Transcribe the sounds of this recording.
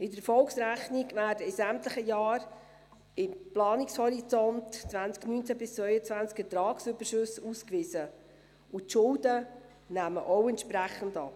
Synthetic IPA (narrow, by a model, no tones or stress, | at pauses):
ɪdəɾfɔlksɾæχnɪɡvæːrdəɪsæmtləχəjɑːɾ | ɪmplɑːnɪkshɔɾit͡sɔntt͡svænt͡sknyːnt͡sæbɪst͡svœʏət͡svænt͡skətɾɑːksʏbəʃɵsuːskʋɪzə | ʊtʃʊldə | næːməʔɔʊɛntʃpɾæχəndɑ̰p